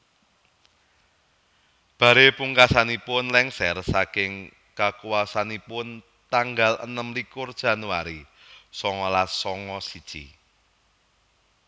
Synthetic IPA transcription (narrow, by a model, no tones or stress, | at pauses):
b̥ä̤ɾepuŋkasanipʊnlɛŋsɛrsakɪŋ | kakuwasanipʊn | t̪aŋɡalə̰nəmlikʊrd̥ʒ̥ä̤nuaɾi | sɔŋɔlasɔŋɔsid̥ʒ̥ḭ